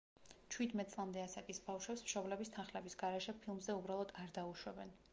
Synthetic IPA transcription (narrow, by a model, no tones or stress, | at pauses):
t͡ʃʰwid̪mɛt̪̚sʼlˠamd̪ɛasakʼisbafʃwɛpsmʃɔblɛbist̪ʰanχlɛbisɡaɾɛʃɛpʰilˠmzɛubɾalˠɔd̪aɾd̪auʃwɛbɛn